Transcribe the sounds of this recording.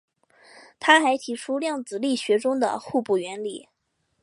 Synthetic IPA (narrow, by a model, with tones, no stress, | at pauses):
t̪ʰa˥xa˧˥ɪt̪ʰi˧˥ʈ͡ʂʰu˥ljɑ˥˩ŋt͡sɹ̩˨˩li˥˩ɕɥɛ˧˥ʈ͡ʂʊ˥ŋd̪ə̰˨xu˥˧pu˥˩ɥɛ˧˥nli˨˩˦